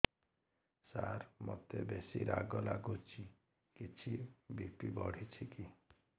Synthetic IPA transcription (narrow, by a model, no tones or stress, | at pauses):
saɾmɔt̪ebesiɾaɡɔlaɡut͡ʃʰi | kit͡ʃʰibipibɔɽ̤it͡ʃʰiki